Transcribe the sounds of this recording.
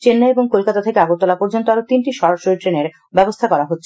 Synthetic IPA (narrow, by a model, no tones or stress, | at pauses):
t͡ɕenːaeboŋkolkat̪at̪ʰekeaɡut̪ːɔlapoɾd͡ʑont̪oaɾot̪inʈiʃɔɾaʃoɾiʈɾeneɾ | bɛbost̪ʰakɔɾaɦotːɕʰe̥